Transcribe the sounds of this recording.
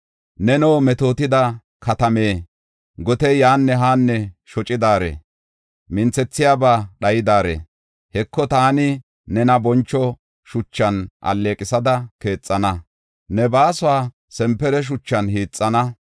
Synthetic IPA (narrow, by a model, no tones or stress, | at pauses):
nɛnoːmɛt̪o̞ːt̪ɪd̪ɐ | kʰɐt̪ɐme̞ː | ɡɔt̪ɛjaːnːɛɦaːnːɛʃɔt͡ʃʼɪd̪aːɾḛː | mɪnt͡sːɛt͡sːɪjaːbaːɗɐjɪd̪aːɾḛː | hɛkːɔt̪aːnɪ | nɛnɐbɔnt͡ʃːɔ | ʃʊt͡ʃːɐnʔɐ̰lːe̞ːkʼɪsɐd̪ɐke̞ːt͡sʼːɐnɐ | nɛbaːsʊaː | sɛmpːɛɾɛʃ̬ʊt͡ʃːɐnhiːt͡sʼːɐnɐ